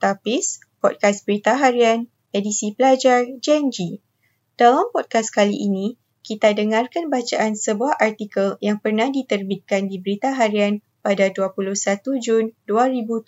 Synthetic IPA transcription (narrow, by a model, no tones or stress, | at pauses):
t̪apis | pɔd̚kasbɾit̪aɦaɾian | edisipəlad͡ʒard͡ʒɛnd͡ʒi | d̥alampɔd̚kaskalḭʔinĩ | kit̪adəŋãrkanbat͡ʃaʔansəbuaɦʔart̪ikəljaŋpərnahdit̪ərbit̪̚kandibəɾit̪aɦaɾian | padaduapuluhsat̪ud͡ʒunduaɾibu